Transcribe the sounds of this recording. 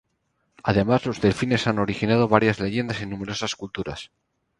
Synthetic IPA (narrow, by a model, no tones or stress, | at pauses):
að̞e̞mazlo̞zðe̞lfine̞sano̞ɾixinað̞oβ̞aɾjazle̞ʝend̪asinũme̞ɾo̞saskult̪uɾa̰s